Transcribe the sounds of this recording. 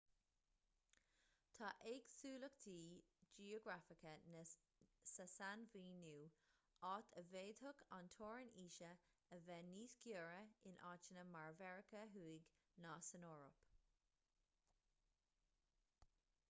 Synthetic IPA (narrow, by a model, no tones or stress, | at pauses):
t̪ʰɑːʔeːɡsuːləkt̪ʰiːd͡ʒiːoɡɹafɪkənə | səsanviːnuː | ɑːt̪ʰəveːd̪hʊkʰa̰nt̪ʰoːɹəniːʃə | əvɛːniːskjuːɹəɪnʔɑːt͡ʃənəmaɹvɛɹəkəɦuːɪɡ | naːsənɔːɹɔ̰p